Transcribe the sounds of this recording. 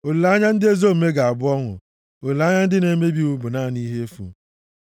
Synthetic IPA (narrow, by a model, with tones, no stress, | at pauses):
o˨lu˨la˦ɲa˦n̩˦dɪ˦e˦zo˦m̩˨me˦ɡa˨a˨bʊ˦ɔ˦ŋʊ̰˨ | o˨lla˨˦ɲa˦n̩˦dɪ˦ne˨˦me˦bi˦u˦bʊ˨naː˦˨ni˦ɦe˦e˦fṵ˨